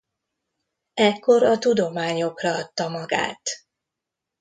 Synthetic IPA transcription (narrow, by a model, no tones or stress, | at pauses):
ɛkːo̞ɾɒt̪ud̪o̞maːɲo̞krɒɒt̪ːɒmɒɡa̰ːt̪